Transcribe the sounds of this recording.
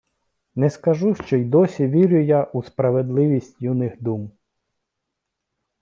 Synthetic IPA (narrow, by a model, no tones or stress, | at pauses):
nɛskɐʒuʃt͡ʃɔjd̪ɔsʲiʋʲiɾʲʊjaʔuspɾɐʋed̪lˠɪʋʲisʲtʲjunɪxd̪um